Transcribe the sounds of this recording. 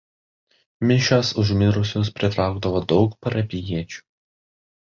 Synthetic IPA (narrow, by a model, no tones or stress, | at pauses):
mʲɪʃʲosʊʒʲmʲɪɾʊsʲʊspʲɾʲɪt̪ɾɑˑʊɡd̪ɐʋoːd̪ɒʊkpɐɾɐpʲɪjiɛt͡ʃʲu̥